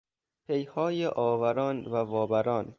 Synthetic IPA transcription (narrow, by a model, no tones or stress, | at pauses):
pʰejhɒːjeʔɒːvæɾɒːnvævɒːbæɾɒːn